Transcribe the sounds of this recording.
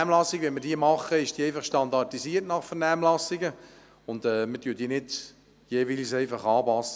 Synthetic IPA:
mlɑsːɪɡʋɛnməɾdiːəmɑχːəɪʃd̥iːɛɪfɑχʃtɑndɑrtisiːəɾtnɑχfɛnæːmlɑsɪɡə | ʊndɛːmətyːd̥iːnɪd | jeːʋilsɛɪfɑχɑːpɑsːə

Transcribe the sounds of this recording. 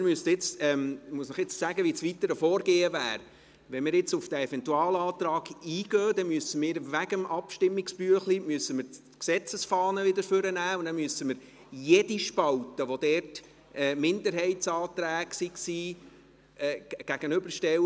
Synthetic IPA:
ɪmystɪt͡sɛmmuəsnəχɪt͡ssæɡəʋisʋit̪əɾəfɔːɾɡeːəvæ̰ːɾ | ʋɛnmɪːɾjɪt͡sufd̥æɛfɛntuɑːlɑːt̪ɾɑːɡiːɡ̥œːd̥̪ɛmyəsəmɪːɾʋæɡəmɑpʃtɪmːɪkspyːəχlimyəsːəmɪɾ | ksɛt͡səsfɑːnəʋɪd̪əɾføɾənæːundɛmyəsəməɾ | jɛdiʃpɑltəʋod̪ɛːrt | ʔɛːmɪnd̪əɾɦɛɪtsɑːt̪ɾæːɡsiksiː | ɛːɡ̥æɡ̥ənøbəɾʃtɛw

